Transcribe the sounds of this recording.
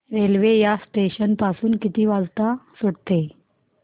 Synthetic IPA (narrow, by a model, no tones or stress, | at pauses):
ɾelʋejasʈeɕənpasuːnkit̪iːʋad͡zt̪asuɽt̪e